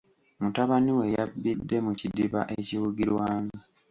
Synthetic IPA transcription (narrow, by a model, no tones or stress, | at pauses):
mutaβaniwe̞jabːidːe̞mucidiβa̰ʔeciwuɡiɾwaːŋɡi